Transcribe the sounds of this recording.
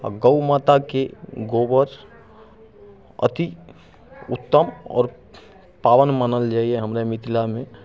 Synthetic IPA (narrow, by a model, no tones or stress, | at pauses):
ɡəumat̪akeɡobəɾ | ə̰t̪i | ut̪ːəmɔ̰ːɾ | pawənmənəld͡ʒaːieɦəmɾamit̪ilamẽ